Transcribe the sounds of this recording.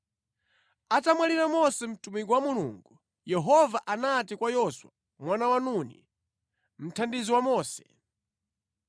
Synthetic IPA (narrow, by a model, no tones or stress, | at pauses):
atamwaliɾamɔsɛm̩tumikɔwamulṵːŋɡu | jɛɦɔvaʔanatikwajɔswa | mwanawanunḭ | m̩tʰandiziwamɔːsɛ̥